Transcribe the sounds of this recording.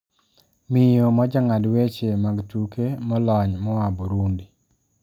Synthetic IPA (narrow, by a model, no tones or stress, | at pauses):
mɪjomad͡ʒaŋadwet͡ʃemaɡtukemɔlɔɲmɔabɔɾundi